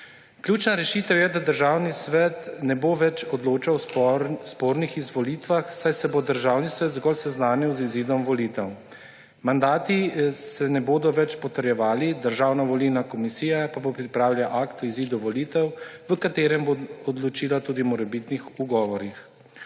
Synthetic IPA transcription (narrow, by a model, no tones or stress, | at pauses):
kljuːt͡ʃnaɾɛʃit̪ɛwjɛd̪ad̪əɾʒaːwnisʋɛt̪nɛboʋɛt͡ʃɔd̪loːt͡ʃawspoɾnixizʋɔliːt̪ʋaxsajsɛbod̪əɾʒaːwnisʋɛt̪zɡɔlsɛznaːniwziziːd̪ɔmʋɔliːt̪ɛw | mand̪aːt̪isɛnɛboːd̪ɔʋɛt͡ʃpɔt̪əɾjɛʋaːlid̪əɾʒaːwnaʋɔlinakɔmisiːjapabopɾipɾaːwlʲjaʔakt̪ɔiziːd̪uʋɔliːt̪ɛwʋəkat̪eːɾɛmboɔd̪lɔt͡ʃiːlat̪uːd̪imɔɾɛbit̪nixuɡɔːʋɔɾix